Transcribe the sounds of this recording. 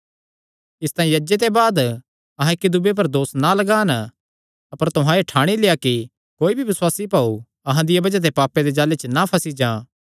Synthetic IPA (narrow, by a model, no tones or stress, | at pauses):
ɪst̪ãːĩjɐd͡ʒet̪ebaːd̪ | ɐɦãɪkːid̪ʊbep̬ɐɾd̪oːsnalɐɡaːn | ɐpəɾt̪ʊɦãeʈʰaːɽ̃ileːjaki | koːibʱibɪswaːsipaːu | ɐɦãd̪ɪjabɐd͡ʒat̪̬epaːpːed̪ed͡ʒaːlet͡ʃnapʰɐsid͡ʒãː